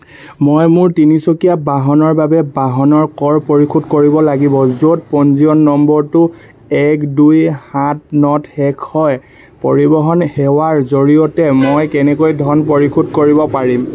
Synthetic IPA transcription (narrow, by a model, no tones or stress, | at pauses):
mojmʊɹtinisokijabaɦɔnɔɹbabɛbaɦɔnɔɹkɔɹpoɹikʰudkoɹibɔlaɡibɔzot̚pɔnziɔnːɔmbɔɹtʊ | ɛkdujhat̚nɔthɛkʰhɔj | poɹibɔɦɔnhɛwaɹzoɹijɔtɛmojkɛnɛkojdʱɔnpoɹikʰudkoɹibɔpaɹim